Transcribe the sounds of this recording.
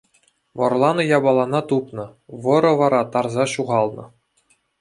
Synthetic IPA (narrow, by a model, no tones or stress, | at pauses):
ʋɤ̆rlˠɑnɤ̆jɑbɑlˠɑnɑt̪upnɤ̆ʋɤ̆ɾɤ̆ʋɑɾɑt̪ɑrzɑɕuʁɑlˠnɤ̆